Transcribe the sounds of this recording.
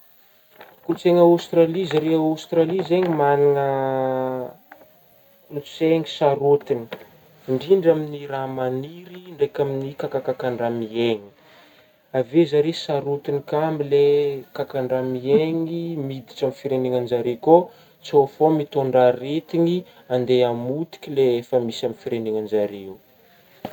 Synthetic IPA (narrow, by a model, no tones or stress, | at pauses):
kult͡seŋaawst̪ralizaɾeaawst̪ɾalizeɲimaniŋə | nit͡seŋisaɾut̪ini̥ | ɳɖ͡ʐiɳɖ͡ʐaminiɾamaniɾiɳɖ͡ʐejkʲaminikakakakaɳɖ͡ʐamieŋi̥ | avezaɾesaɾot̪inikamilekakaɳɖ͡ʐamieŋimid̪iʈ͡ʂamifiɾeneŋanzaɾeko | t͡sofomit̪oɳɖ͡ʐaɾet̪iŋi | and̪eamut̪i̥kʲileefəmisamifiɾeneŋand͡ʒaɾew